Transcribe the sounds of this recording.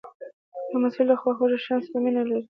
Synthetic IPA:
d̪əmasɪld̪əxwaxoʒaʃɑnst̪aminalaɾi

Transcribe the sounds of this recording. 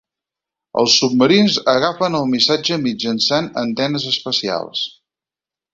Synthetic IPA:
ə̰lˠsːub̚məɾinzəɣafənəlˠmisad͡ʒəmid͡ʒənsanənt̪ɛnəzəspəsia̰lˠs

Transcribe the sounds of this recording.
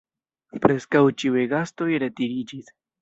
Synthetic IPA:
pɾeskawt͡ʃiweɡast̪ojɾet̪iɾid͡ʒis

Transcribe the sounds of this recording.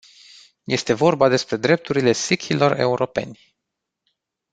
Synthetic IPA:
je̞st̪e̞vo̞rbad̪e̞spɾe̞d̪ɾe̞p̚t̪uɾile̞sikʲʰilo̞re̞uɾo̞pe̞̰nʲ

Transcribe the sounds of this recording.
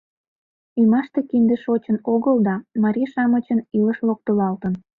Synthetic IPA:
ujmɑʃt̪ekind̪eʃot͡ɕənoɣəld̪ɑmɑɾʲiʃɑmət͡ɕəniləʃlok̚t̪əlɑlt̪ən

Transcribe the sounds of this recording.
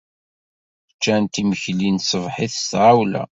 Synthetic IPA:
t͡ʃːænt̪iməçlinsˤəvħiθst̪ʕawlæ̰

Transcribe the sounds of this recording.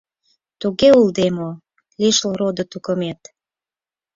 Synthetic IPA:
t̪uɣeuld̪emo | liʃlɾod̪ŏt̪ukəmet̪

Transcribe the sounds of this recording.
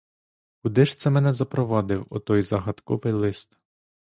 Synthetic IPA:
kʊd̪ɪʃt̪sɛmɛnɛzɐpɾɔʋɑd̪ɪwɔ̰t̪ɔjzɐɦɐt̪kɔ̰ʋɪjlˠɪst̪

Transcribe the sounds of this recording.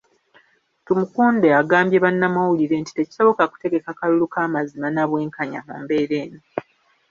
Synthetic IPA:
tumukuːnde̞aɡaːmbje̞βanːamawuliɾe̞nti̥te̞ci̥so̞βo̞kaku̥te̞ɡe̞kakalulukaːmazimanaβwe̞ːŋkaɲa̰mṵːmbe̞ːɾe̞ːno

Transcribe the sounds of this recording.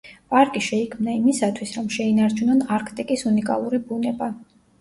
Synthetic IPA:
pʼaɾkʼiʃɛikʰmnaimisat̪ʰwisɾɔmʃɛinaɾt͡ʃʰunɔnaɾkʰt̪ʼikʼisunikʼa̰lˠuɾibunɛba

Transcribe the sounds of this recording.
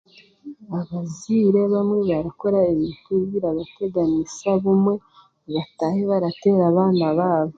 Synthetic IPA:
aβaziɾe̞βamŋe̞βaɾako̞ɾaiβituβɡiɾaβate̞ɡanisaβumwe̞ | βataːheβaɾate̞ːɾaβaːnaβaːβo

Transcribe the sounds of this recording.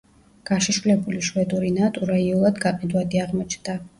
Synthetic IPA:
ɡ̥aʃiʃvulɛbuliʃwɛd̪uɾinat̪ʼuɾaiulˠad̪ɡaqʼɛd̪wad̪iaʁmɔt͡ʃʰnd̪̥a

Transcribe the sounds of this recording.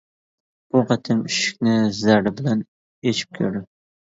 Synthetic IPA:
b̥uʁɑt̪ʰɪmyʃɪ̥kʲnɪzæɾɪbɪlæn | et͡ʃʰi̥p̚kʲʰøɾd̪ɪ

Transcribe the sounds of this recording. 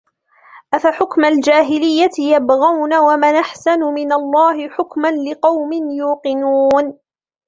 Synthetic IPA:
ʔafaħʊkmald͡ʒaːɦɪlɪjːaɪjabɣawnawamanʔaħsanʊmɪnalˤːɑːhɪħʊkmanlɪqɑwmɪnjuːqɪnuːn

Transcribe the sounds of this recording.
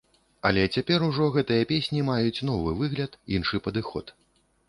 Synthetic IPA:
ɐ̰lʲɛt͡sʲapʲɛɾuʐɔɣɛt̪ɨjɐpʲesʲnʲimajut͡sʲnɔvɨvɨɣlʲɐt̪inʂɨpɐd̪ɨxɔ̰t̪

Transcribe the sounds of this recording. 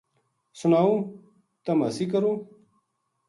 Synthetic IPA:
sunaːũ | t̪ɐmɐsikɐɾũː

